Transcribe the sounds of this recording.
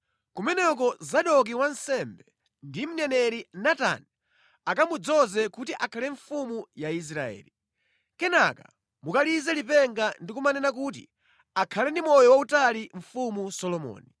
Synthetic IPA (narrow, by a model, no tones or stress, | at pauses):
kumɛnɛk̬ɔzaɗɔk̬iwansɛmbɛ | ndim̩nɛnɛɾinata̰ni | akamud͡zɔzɛkutiʔakʰalɛɱfumujais̬ɾaɛ̰ːli | kɛnaka̰ | mukalizɛlipɛŋɡandikumanɛnak̬ut̬ḭ | akʰalɛndimɔjɔwautaliɱ̩fumusɔlɔmɔ̰ːni